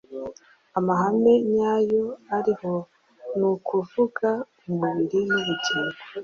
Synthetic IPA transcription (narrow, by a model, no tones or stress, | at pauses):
amaɦame̞ɲaːjo̞aɾiho̞ | nukʰuvuɡa | umuβiɾinuβuɟiːɡo